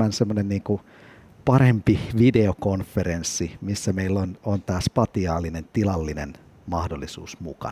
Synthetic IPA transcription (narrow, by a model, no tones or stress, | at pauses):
ænsemːonenniːŋku | pɑrempiʋideokonfːeɾensːimisːæmeilːonont̪æːspɑt̪iɑːlːinent̪ilɑlːinen | mɑhdolːˑisṵːsmukɑ̰